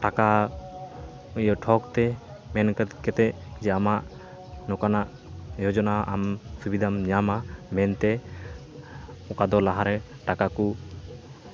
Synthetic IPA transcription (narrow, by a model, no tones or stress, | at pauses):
ʈaka | ujɔʈʰɔkt̪ɛ | mɛnkkɛt̪ɛ | d͡ʒɛamaʔ | nɔkanaʔ | jɔd͡ʒɔnaʔamsubid̪ʱamɲamamɛnt̪ɛ | ɔkad̪ɔlaɦaɾɛ | ʈakaku